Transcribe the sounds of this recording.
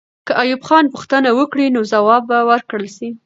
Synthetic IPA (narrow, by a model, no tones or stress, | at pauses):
kəʔajubxɑnpʊxt̪ənawəkɽinozawɑbːawəɾkɽəlʃi